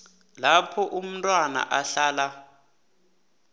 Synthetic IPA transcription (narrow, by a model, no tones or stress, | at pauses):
lapʰɔʔum̩tʼwana̰ʔaɬaːla